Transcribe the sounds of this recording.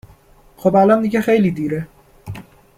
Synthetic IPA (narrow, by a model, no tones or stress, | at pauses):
xobælɒnd̪iɟexejliːd̪iːɾe